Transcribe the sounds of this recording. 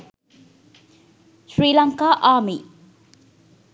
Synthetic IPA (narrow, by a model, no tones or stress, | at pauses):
sɾiːlaŋkaːʔami